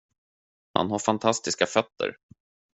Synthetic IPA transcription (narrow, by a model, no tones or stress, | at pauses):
ha̰nɦaɾfant̪ʰast̪ɪskafœt̪ʰːə̰ɾ